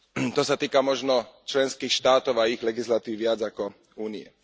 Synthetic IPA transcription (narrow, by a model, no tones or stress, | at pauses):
t̪ɔsat̪iːkamɔʒnɔt͡ʃlɛnskiːxʃt̪aːt̪ɔʊaiɣlɛɡislat̪iːwʋɪad͡zakɔ | uːniɛ̰